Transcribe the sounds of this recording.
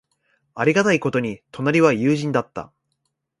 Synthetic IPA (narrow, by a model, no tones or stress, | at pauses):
aɾʲiɡat̪aiko̞t̪o̞ɲ̟it̪o̞naɾʲiβajɯːʑĩnd̪at̪ːa̰